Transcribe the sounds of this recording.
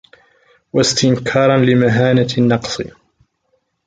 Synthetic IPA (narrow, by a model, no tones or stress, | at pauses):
wast̪ɪnkʰɑːɾˤɑnlɪmaɦaːnanːɑqsˤɨ̰